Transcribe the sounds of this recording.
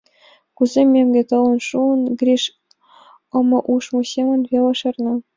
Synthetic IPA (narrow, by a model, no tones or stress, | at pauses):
kuzʲemʲːemʲɡʲĕt̪ɤ̆ʋɤ̆nʂunɡrʲiʂ | ɤ̆mɤ̆ʔuʂmusʲemʲɘ̆nvʲelˠɤ̆ʂɤ̆rnɤ̆